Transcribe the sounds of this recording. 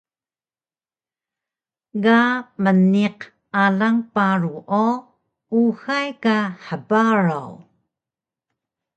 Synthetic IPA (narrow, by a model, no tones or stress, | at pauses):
ɡaməniq | alaŋpaɾuʔo | uxajkaħəbaɾa̰w